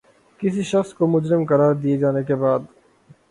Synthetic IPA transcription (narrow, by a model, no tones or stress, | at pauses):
kɪsiʃɐxskomʊd͡ʒɾɪmkɐɾaːɾd̪ied͡ʒaːnekebaːd̪